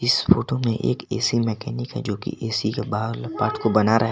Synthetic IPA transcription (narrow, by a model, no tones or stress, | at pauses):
ɪsfoːʈomẽʔḛːkḛːsimɛːkɛːnikɦɛ̰d͡ʒoːkḭʔeːsikebaːlpaːɾʈʰkobɐnaɾʔɐɦɛ